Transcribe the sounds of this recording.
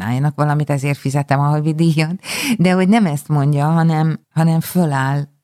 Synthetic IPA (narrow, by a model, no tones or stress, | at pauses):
na̰ːjɒnɒkʋɒlɒmit̪ɛzeːrt̪fizɛt̪ɛmɒɦovid̪ijot̪d̪ɛɦo̞ɟnɛmɛst̪mo̞ɲɟɒɦɒnɛmɦɒnɛɱfølaːl